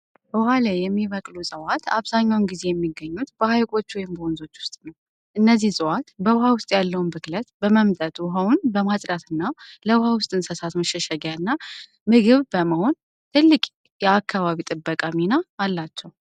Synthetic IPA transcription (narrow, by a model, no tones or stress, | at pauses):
bəwhalajɛmːiβəkʼlusʼəwat̪ʰa̰βzaɲːawnɡize̞jɛmːiɡːəɲːut̪bəhajkʼo̞t͡ʃːwɔjɪmbəonzo̞t͡ʃːwʊ̥st̪ʼnəw | ʔɨnːəzːihsʼəwat̪bəwɦawʊst̪ʼjalːəwunbɨklət̪bəməmt̪ʼət̪wʊɦəwʊnbəmasʼɾat̪ɨnːaləwɦawʊst̪ʼɨnsəsat̪məʃɛʃɛɡjaɨnːa | mɨɡɨβbəməho̞n | t̪ʰɨlːɨkʼ | jɛakʰːaβaβit̪ʼɨbːəkʼaminaːlːat͡ʃːɛw